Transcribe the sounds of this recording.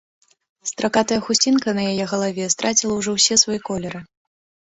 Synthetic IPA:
st̪ɾʔakat̪ɐjɐxusʲt͡sʲinkɐnɐjajɛɣɐlˠavʲɛst̪ɾʔat͡sʲilˠɐwʐɔwsʲɛsvajɛkɔlʲɛɾɨ

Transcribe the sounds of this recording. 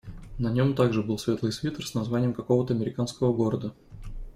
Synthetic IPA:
nɐnʲomt̪aɡʐɨbɨlˠsvʲe̞t̪lˠɨjsvʲit̪ərsnɐzvanʲɪjəmkɐko̞vət̪əɐmʲɪɾʲɪkanskəvəɡo̞ɾəd̪ə

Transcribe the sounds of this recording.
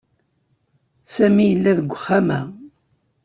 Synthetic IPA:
sæmijəlːæðəɡʷːəχːamæ

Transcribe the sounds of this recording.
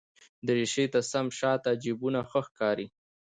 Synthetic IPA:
d̪əɾiʃet̪asamʃɑt̪ad͡ʒibunaxəxkɑɾi

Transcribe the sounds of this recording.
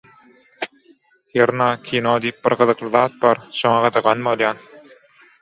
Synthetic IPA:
heɾnɑːkʲʰinoːd̪iːp̚bḭɾɡɯðɯqlˠɯðɑːt̪̚bɑːɾʃoŋɑʁɑd̪ɑʁɑnbolˠjɑːn

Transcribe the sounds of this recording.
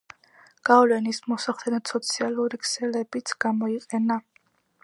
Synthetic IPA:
ɡ̥avlɛnismɔsaχlɛnɔt̪sɔt̪sʰialˠuɾikʰsɛlɛbit̪sʰɡ̥amɔiqʼɛna

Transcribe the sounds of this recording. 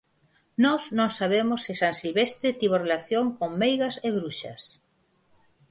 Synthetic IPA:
nɔznõŋsaβ̞emosːɪsaŋsilβest̪ɾɪt̪iβorelaθjoŋkoŋmejɣɐseβɾuʃɐ̰s

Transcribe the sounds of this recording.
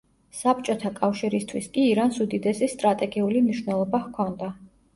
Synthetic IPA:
sap̚t͡ʃʼɔt̪ʰakʼafʃiɾist̪ʰwiskʼiːɾansud̪id̪ɛsist̪ʼɾat̪ʼɛɡiulimniʃwnɛlˠɔbahkʰɔnd̪a

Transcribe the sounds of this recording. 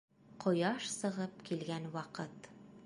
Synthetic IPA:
qʰŏjɑʃsɤ̆ʁɤpkilɡænwɒqɤt̪

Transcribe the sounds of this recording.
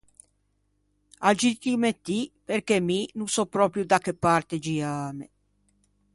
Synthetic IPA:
ad͡ʒit̪imet̪ːiperkeminunsɔpɾɔːpɾjud̪akːepːart̪ed͡ʒiaːmḛ

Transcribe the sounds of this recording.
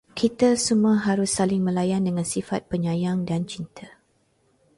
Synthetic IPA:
kʰit̪asumuaɦaɾʊsːalɪŋmə̃lajandəŋãnsifat̪̚pəɲãjaŋdant͡ʃint̪ʰa

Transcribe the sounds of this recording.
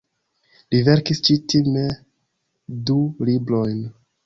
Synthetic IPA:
live̞ɾkist͡ʃitʰime | dulibɾo̞jn

